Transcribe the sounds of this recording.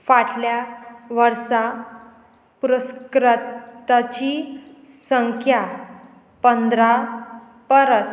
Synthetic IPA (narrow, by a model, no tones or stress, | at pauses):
faʈʰljaʋəɾsa | puɾəskɾatt̪at͡ɕi | səŋkʰja | pənd̪ɾa | pəɾəs